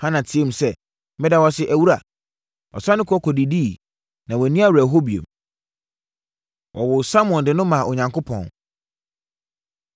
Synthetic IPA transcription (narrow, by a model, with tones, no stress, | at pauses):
hã˦nã˨tʰɪ˨ẽ˦m̩˨sɛ˦ | mɪ̃˦da˦wɔ˦sɪ˦ʔæ˨wu˦ɾa˨ | ɔ̰˨sã˦nʊ̃˦kʰɔ˦kʰɔ˨di˨diː˦˨ | nã˨wɔ˨nĩ˦a˦wæ˨ɦo˦bi˨ḛ˨m | wʔɔ̰˨wʊ˨sa˦m˨ɔ̃˨ndɪ˨nʊ̃˦mã˨ʔɔ˨ɲã˨ŋkʰʊ˦pʰɔ̰̃˨n